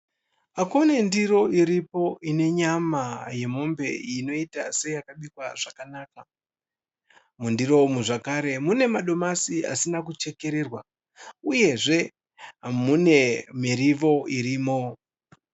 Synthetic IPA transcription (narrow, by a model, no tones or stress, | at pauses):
akone̞ndiɾo̞iɾipo̞ine̞ɲamaje̞mo̞mbe̞̰jino̞itase̞jakaɓikwaʐakanaːka | mundiro̞umuʐakaɾe̞mune̞maɗo̞masia̰sinak̬ut͡ʃe̞ke̞ɾeːrwa | uje̞ʐe̞ | mune̞miriʋo̞iɾiːmo̞